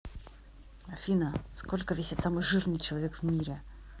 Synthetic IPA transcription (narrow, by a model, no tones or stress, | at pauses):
ɐfʲinəskolʲkəvʲesʲɪt̪samɨjʐɨrnɨjt͡ɕɪlˠavʲe̞kvmʲiɾʲɪ